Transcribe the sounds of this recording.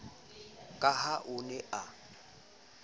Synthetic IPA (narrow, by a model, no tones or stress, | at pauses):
kʼahaʔʊnɛʔa